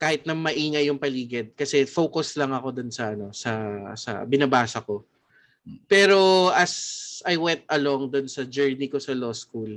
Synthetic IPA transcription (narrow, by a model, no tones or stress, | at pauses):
kaːhɪt̪̚nɐmɐʔiːŋɐjʊŋpɐliːɡɪd̪̚kɐsɛfoːkoslɐŋɐko̞d̪ʊnsɐɐno̞sɐsɐ̰bɪnɐbaːsɐko̞ | pɛːɾo̞ʔɐsɐjwɛnt̪̚ʔɐloŋd̪ʊnsɐd͡ʒɛɹniko̞sɐloːskul